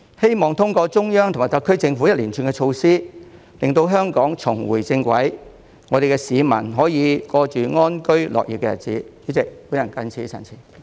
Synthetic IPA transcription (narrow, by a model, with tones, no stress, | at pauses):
he˥jmɔː˨ŋt̪ʰʊ˥ŋkɔː˧t͡sʊ˥ŋjœː˥ŋt̪ʰmaː˨˩jt̪ɐ˨kʰːɵ˥ɥt͡sɪ˧ŋfu˨˥jɐ˥t̚liː˨˩nt͡ʃʰyː˨˧nkɛ˧t͡ʃʰo˧wsiː˥ | lɪ˨ŋt̪o˧wɦœː˥ŋkɔː˨˥ŋt͡sʰʊ˨˩ŋwṵː˨˩jt͡sɪ˧ŋkwɐ˨˥j | ŋɔː˨˧e˨jkɛ˧siː˨˧mɐ̰˨˩nɦɔː˨˥jiː˨˧kɔː˧t͡ʃyː˨˩ŋɔː˥nkɵ˥ɥlɔ̰˨k̚jḭ˨˩kːɛː˧jɐ̰˨˩t̚t͡sḭː˨˥iː˨˥t͡sɪ˨k̚puː˨˥nɐ˨˩nkɐ˧˥nt͡sʰiː˨˥sɐ̰˨˩nt͡sʰiː˨˩